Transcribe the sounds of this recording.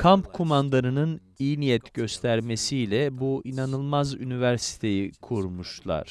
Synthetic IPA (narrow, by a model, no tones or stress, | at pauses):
kʰampkʰumand̪aɾɯnɯn | ijnijɛt̪ɟø̞st̪ʰæɾme̞sijlʲɛbuinanɯlˠmazynivæɾsi̥t̪ʰe̞jikʰuɾmuʃlˠa̰ɾ̥